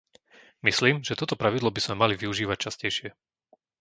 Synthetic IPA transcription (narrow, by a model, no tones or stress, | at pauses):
misliːmʒɛt̪ɔt̪ɔpɾaʋid̪lˠɔbiz̥mɛmaliʋiuʒiːʋac̚t͡ʃascɛjʃɪɛ